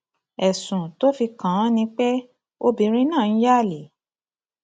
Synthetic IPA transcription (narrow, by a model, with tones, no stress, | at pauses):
ɛ˨sũ˨to˦fi˧kã˨˦nĩ˧k͡pɛ˦ | o˦bi˧˦ɾ̃ĩ˦nã˦˨n̩˦ja˦˨li˨˦